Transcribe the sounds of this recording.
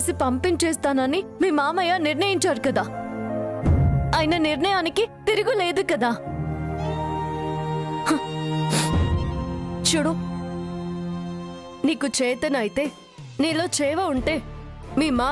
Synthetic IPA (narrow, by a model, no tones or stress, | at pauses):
sipɐmpint͡ʃeːst̪aːnɐnimiːmaːmɐjaːniɾɳɐjiɲt͡ʃaːɾukɐd̪aː | aːjinɐniɾɳɐjaːnikit̪iɾuɡule̞ːd̪ukɐd̪aː | h | t͡ʃuːɽu | niːkut͡ʃɛːt̪ɐnɐjit̪e̞ː | niːlo̞ːt͡ʃɛːʋɐuɳʈe̞ː | miːmaː